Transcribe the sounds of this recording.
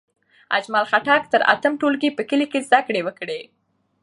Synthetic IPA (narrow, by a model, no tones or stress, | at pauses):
a̰d͡ʒmalxaʈɑk̚t̪əɾa̰t̪əmʈolkepəkəlikezd̪akɽewəkɽe